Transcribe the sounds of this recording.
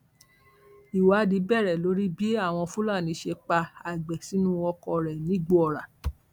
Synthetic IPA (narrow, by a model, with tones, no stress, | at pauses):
i˨wa˨˦di˨˦bɛ˦˨ɾɛ˨lo˨˦ɾi˦bi˦a˦˨w̃ɔ̃˧fu˦la˦˨nĩ˨˦ʃe˧k͡pa˧a˨ɡ͡bɛ˨si˨˦nũ˦ɔ˧kɔ˧ɾɛ˨nĩ˨˦ɡ͡bo˦ɔ˨ɾa˨